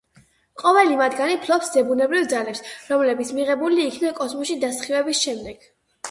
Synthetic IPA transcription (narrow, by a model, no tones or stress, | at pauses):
qʼɔvɛlimad̪ɡanipʰlˠɔpsd̪ɛbunɛbɾivd̪zalɛpsɾɔmlɛbit̪sʰmiʁɛbuliːkʰnakʼɔsmɔsʃid̪asχivɛbisʃɛmd̪ɛɡ̥